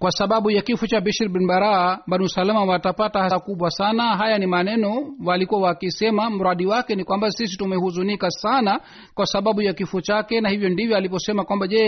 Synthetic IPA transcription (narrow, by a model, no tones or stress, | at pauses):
kwasaɓaɓujakifut͡ʃabiʃiɾɓɛnbaɾaɓanusalamawatapatahakuɓwasanaɦajanimanɛnɔwalikuwawakisɛmam̩ɾaɗiwakɛnikwambasis̬itumɛhuzunikasana | kwasaɓaɓujakifut͡ʃakɛnahivjɔndivjɔalipɔsɛmakwambaʄɛ